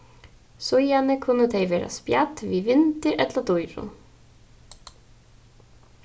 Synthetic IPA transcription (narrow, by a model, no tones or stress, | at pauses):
sʊjanɪkʰʊnːət̪ʰejvɛːɾa̰spjat̪vivɪnt̪ɪɾʔɛt̪lat̪ujɾʊ̰